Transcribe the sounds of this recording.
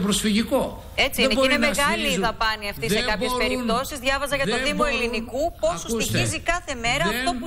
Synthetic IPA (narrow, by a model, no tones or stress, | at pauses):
pɾosfiʝiko | e̞t͡sinebinemeɣɐliðɐpɐniɐft̪issekɐpesspe̞ɾipt̪o̞sizðʝɐvɐzɐʝɐðoðimo̞elinikupo̞susuiizikɐθe̞me̞ɾɐːft̪o̞pu